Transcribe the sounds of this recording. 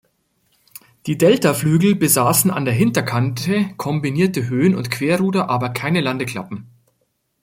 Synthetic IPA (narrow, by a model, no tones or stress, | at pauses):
d̥iːdɛltaflyːɡl̩bəzaːsn̩a̰ndeːɐɦɪntɐkʰantəkʰɔmbiniːɐtəɦøːənʊ̰ntkv̥eːɐʁuːdɐʔaːbɐkʰaɪnəlandəkl̥a̰pm̩